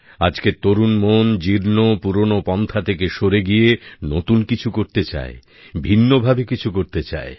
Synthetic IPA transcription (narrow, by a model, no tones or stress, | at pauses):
ad͡ʑket̪oɾunmond͡ʑiɾnopuɾonopɔnt̪ʰat̪ʰekeʃoɾeɡijenot̪unkit͡ɕʰukoɾt̪et͡ɕa̰e | bʱinːobʱabekit͡ɕʰukoɾt̪et͡ɕa̰e